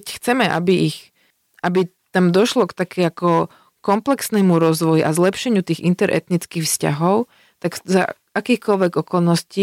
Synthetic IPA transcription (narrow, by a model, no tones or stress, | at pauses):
cxt͡sɛmɛʔa̰biix | ʔabi | t̪amd̪ɔʃlɔkt̪akʰɛakɔ | kɔmplɛksnɛmuɾɔzʋɔjuʔazlɛpʃɛɲɪut̪iːɣint̪ɛɾʔɛ̰t̪nit͡skixfsca̰ɦɔʊ | t̪akza̰ | akiːxkɔlʋɛɡɔkɔlnɔsci